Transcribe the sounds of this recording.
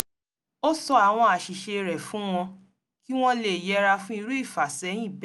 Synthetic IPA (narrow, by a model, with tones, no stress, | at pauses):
o˦sɔ˧a˨w̃ɔ̃˧a˨ʃi˨ʃe˧ɾɛ˨fũ˦w̃ɔ̃˧ | ki˦w̃ɔ̃˦le˨jɛ˨˧˦ɾa˧fũ˦i˧ɾu˦i˦˨fa˨sɛ˨˦j̃ĩ˦˨b